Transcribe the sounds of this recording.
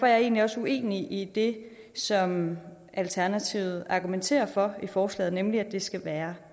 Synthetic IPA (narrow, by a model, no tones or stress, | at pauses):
ɒjɑ̈e̝̰ːnliɒ̽sue̝̰ːniʔid̥e̝ | sɒ̽m | ʔælt͡sʰæɐnæt͡sʰiʊð̩ˠɑ̈ɡ̥ument͡sʰe̝̰ːɐfɒ̽ifɒːslɛ̰ːð̩ˠnemliæd̥e̝sɡ̥æʋæːɐ